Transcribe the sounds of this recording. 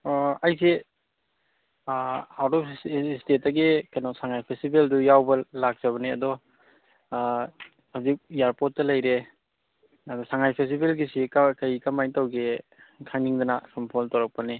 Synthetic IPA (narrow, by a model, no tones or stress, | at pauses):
ɐjsi | awdɔstet̚ːɐɡikɐjnɔsaŋajpʰestibeldujawbɐlak̚z̥ɐβɐniɐdɔ | hazik̚ijaɾpot̚tːɐlɐjɾe | ɐdɔsaŋajpʰestibelɡisikakɐjkamajtawɡi | kʰaŋniŋdɐnakʰɐmpʰɔltawɾɐk̚pɐni